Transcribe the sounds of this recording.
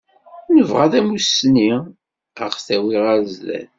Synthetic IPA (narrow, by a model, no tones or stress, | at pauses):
nəvʁaðæmusni | əʁθæwiʁæzlæ̰n